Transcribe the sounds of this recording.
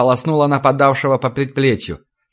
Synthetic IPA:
əlˠɐsnulˠənəpɐd̪afʂɨvəpəpɾʲɪt̪̚plʲet͡ɕjʊ̰

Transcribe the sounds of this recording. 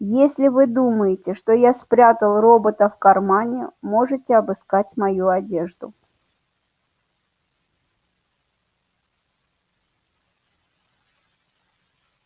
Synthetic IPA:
jesʲlʲɪvɨd̪uməjɪtʲɪʂt̪o̞jaspɾʲat̪əlˠro̞bət̪əfkɐrmanʲɪmo̞ʐɨtʲɪɐbɨskatʲmɐjuɐdʲe̞ʐd̪ʊ̰

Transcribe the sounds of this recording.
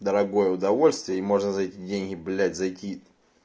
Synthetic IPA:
d̪əɾɐɡo̞jəʊd̪ɐvo̞lʲsʲt̪vʲɪjəimo̞ʐnəzɐjtʲidʲenʲɦʲɪblʲætʲzɐjtʲi

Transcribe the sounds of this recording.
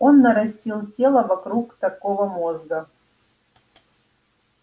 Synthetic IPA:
onːɐɾɐsʲtʲilˠtʲelˠəvɐkɾukt̪ɐkovəmozɡə

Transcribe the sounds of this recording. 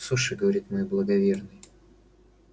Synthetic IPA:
soʂɨɡəvɐɾʲit̪mojblˠəɡɐvʲe̞rnɨj

